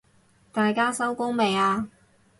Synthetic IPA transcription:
t̪aː˨jkaː˥sɐ˥wkʊ˥ŋme˨jaː˧

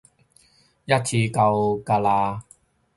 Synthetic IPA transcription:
ja˥t̚t͡ɕʰiː˧ka˧wka˧laː˧

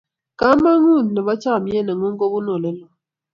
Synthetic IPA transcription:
ka˦ma˦ŋu˦˨n˨nɛ˨βa˦t͡ʃa˦˨mje˦na˨ŋu˦ŋɡo˦βu˦no˨lɛ˦lɔ˨

